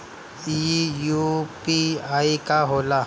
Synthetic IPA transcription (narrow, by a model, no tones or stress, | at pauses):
ijuːpiaːikaɦoːla